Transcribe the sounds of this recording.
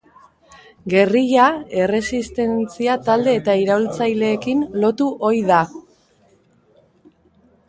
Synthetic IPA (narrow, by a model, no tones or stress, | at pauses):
ɡe̞riʎae̞re̞sist̪e̞nt͡siat̪ald̪e̞ːt̪aiɾault͡sajle̞ːkinlo̞t̪uʔo̞jða